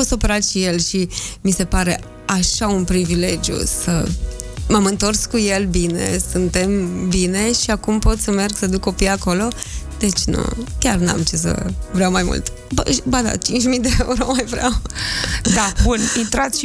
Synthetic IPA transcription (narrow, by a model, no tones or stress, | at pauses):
potst̪opeɾat̪ʃije̞lʃimise̞paɾe̞ | aʃaunpɾivile̞d͡ʒjṵsə | mamɨnt̪o̞rskuje̞lbine̞̰sɨnt̪e̞mbine̞ʃiakumpo̞t̪sʲəme̞rɡsəd̪ukːo̞pijako̞lo̞d̪̥e̞t͡ʃʲnṵkʲarna̰mt͡ʃes̬ə̰vɾeawmajmṵlt̪ | bəbad̪a̰t͡ʃint͡ʃʲmid̪eeuɾomajvɾea̰w | d̪abunint̪ɾat̪s